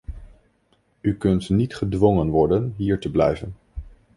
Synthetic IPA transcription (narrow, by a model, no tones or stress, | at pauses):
ykɵntnitχədʋɔŋənʋɔɹdənɦiːɹtəblɛ̰jvən